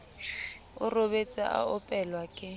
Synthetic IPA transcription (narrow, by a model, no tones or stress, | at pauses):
ʊrobet͡sʼɪ̰ʔa̰ʊpʼɛlwakʼɪ